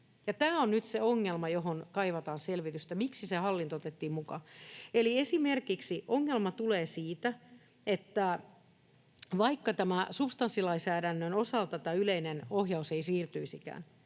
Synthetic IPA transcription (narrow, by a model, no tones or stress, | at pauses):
jɑt̪æːonnyt̪seoŋːelmɑjoɦonkɑiʋɑt̪ɑːnselʋit̪yst̪æmiksisehɑlːint̪oot̪et̪ːiːmmukɑ̰eliesimerkiksiʔoŋːelmɑt̪uleːsiːt̪æ | et̪ːæ | ʋɑikːɑt̪æmæsupst̪ɑnsːilɑisæːdænːønosɑlt̪ɑt̪æyleinenohjɑuseisiːrt̪yisikæ̰ːn